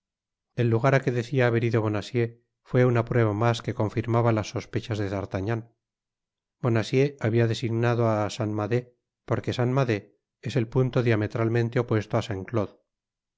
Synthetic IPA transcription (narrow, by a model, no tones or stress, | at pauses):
e̞lːuɣaɾake̞ðe̞θiaːβeɾiðo̞βo̞nasje̞ | fwe̞unapɾwe̞β̞amaske̞ko̞ɱfiɾmaβalasːo̞spe̞t͡ʃazðe̞ðaɾt̪aɲan | bo̞nasje̞aβiaðe̞siɣnaðoasanmaðe̞ | po̞ɾke̞sanmaðe̞ | ese̞lpunt̪oðjame̞t̪ɾalmẽnt̪eo̞pwe̞st̪oasaŋkloð